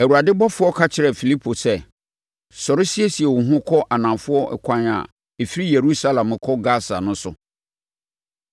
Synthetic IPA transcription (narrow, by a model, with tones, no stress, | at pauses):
ɛ˨wu˨a˨dɪ˦bɔ˦fʊ˦ɔ˦kʰa˦t͡ɕʰɪ˨ɾɛ˨fi˨li˦pʰo˨sɛ˦ | sɔ˨ɾɪ˦si˦e˦si˨ɛ˨wʊ˨ɦʊ̃˦kʰɔ˦ʔa˨nã˨mfʊ˦ɔ˦ʔɛ̰˦kʷʰã˦na̰˨ | e˨fi˦ɾi˦je˨ɾu˦sa˦lã˨m˨kʰɔ˦ɡa˦sa̰˨nʊ̃˦sʊ˨